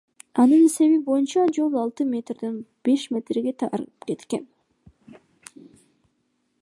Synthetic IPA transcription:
ɑnɯnse̞βibo̞junt͡ʃɑd͡ʒo̞lˠɑlˠt̪ɯmʲe̞t̪rd̪enb̥e̞ʃmʲe̞t̪rɡe̞t̪ʰɑ̰ɾpke̞t̪ke̞n

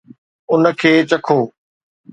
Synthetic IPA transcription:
ʊnə̆kʰeːt͡ɕɐkʰoː

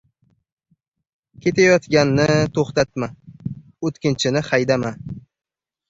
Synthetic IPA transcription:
kʲe̞t̪ʰajɒt̪ɡʲanːɪt̪ʰoχt̪at̪ma | ot̪kʲɪnt͡ʃʰɪnɪχajd̪ama

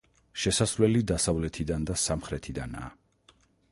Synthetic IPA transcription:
ʃɛsasɾlɛlid̪asavlɛt̪ʰid̪and̪asamχɾɛt̪ʰid̪ana̰ː

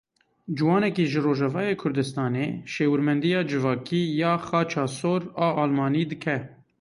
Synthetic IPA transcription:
d͡ʒɨwɑːnɛkiːʒɨroːʒɛvɑːjeːkʰʊɾd̪ɨst̪ɑːnḛːʃeːwɨɾmɛnd̪ijɑːd͡ʒɨvɑːkiːjɑːxɑːt͡ʃʰɑːsoːɾɑːʔɑːlmɑːniːd̪ɨkʰɛ

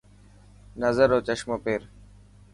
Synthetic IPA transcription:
nəzəɾoːt͡ʃəʃmoːpeːɾ

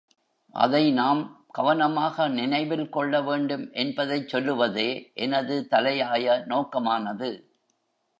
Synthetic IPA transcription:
ʔɐ̰ðɐɪnaːm | ɡ̥ɐʋɐnɐmaːɣɐnɪnɐɪʋɪlkɔɭːɐʋeːɳɖɯmʔɛnbɐðɐɪt͡ʃsɔlːɯʋɐðeːʔɛnɐðɯt̪ɐlɐjaːjɐnoːkɐmaːnɐðɯ

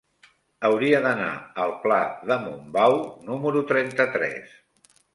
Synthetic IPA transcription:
əwɾiəðəna̰əlˠplaðəmumbawnuməɾut̪ɾɛnt̪ət̪ɾɛ̰s

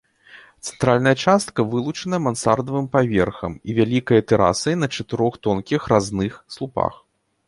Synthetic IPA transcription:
t̪sɛ̥nt̪ɾalʲnɐjɐt͡ʂast̪kɐvɨlˠut͡ʂɐnɐjɐmansard̪ɐvɨmpavʲɛrxɐ̰mivʲalʲikɐjɐt̪ɛɾa̰sɐjnɐt͡ʂɐt̪ɨɾɔxt̪ɔnkʲixraznɨxslˠupa̰x

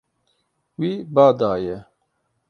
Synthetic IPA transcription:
wiːbaːd̪aːjɛ

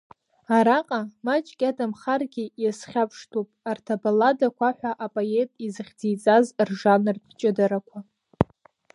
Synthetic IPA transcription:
aɾaqʼamat͡ʃʼkʲʼadamχarɡʲijasχʲapʰʂtʰupʼartʰabaladakʷaħʷᶣaʔapʼoje̞tʼizɨχʲd͡zijt͡sʼazrʐanrdʰt͡ʃʼɪdaɾakʷʰa

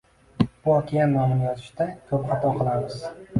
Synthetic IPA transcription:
b̥ʊɒkʲʰijanmanɪmjɒzɪʃd̪akʲʰɵpχɑt̪ʰɒqʰɨlˠamɪz

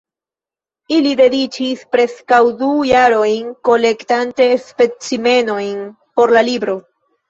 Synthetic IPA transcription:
ilide̞dit͡ʃispɾe̞skawdujaɾo̞jnko̞le̞ktante̞spe̞t͡sime̞no̞jn | po̞ɾlalibɾo̞

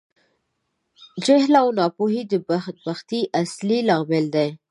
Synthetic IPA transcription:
d͡ʒɪhlawnɑpoɦid̪əbt̪̚baxt̪iʔaslilɑɣmeld̪aj

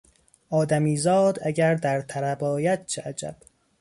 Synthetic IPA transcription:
ʔɒːd̪æmiːzɒːd̪æɟæɾd̪æɾt̪ʰæɾæbɒːjæd̪̥̚t͡ʃʰeʔæd͡ʒæ̰b̥

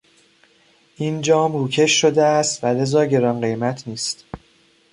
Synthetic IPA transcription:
ʔind͡ʒɒːmɾuːcʰe̞ʃːod̪eæst̪væle̞zɒːɟeɾɒːnɢe̞jmæt̪ʰniːst̪

